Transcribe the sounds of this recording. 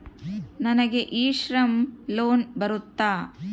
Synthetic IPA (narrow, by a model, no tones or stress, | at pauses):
nɐnɐɡeʔiːʃɾɐmloːnbɐɾut̪ːaː